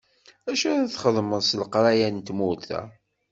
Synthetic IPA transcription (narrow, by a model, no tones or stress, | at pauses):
æʃæɾæθχəðˤməðsləqɾˤajænt̪mulθæ̰